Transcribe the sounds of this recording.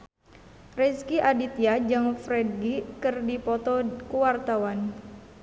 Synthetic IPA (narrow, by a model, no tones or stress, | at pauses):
rɛskiʔadit̪iad͡ʒaŋfɾɛd̚ɡikɨrdipɔt̪ɔkuwart̪awan